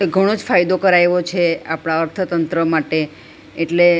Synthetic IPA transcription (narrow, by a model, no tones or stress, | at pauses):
ɡʱəɽ̃od͡ʒfajd̪okəɾajʋot͡ʃʰeapɽ̃aəɾt̪ʰət̪ənt̪ɾəmaʈeː | ʈle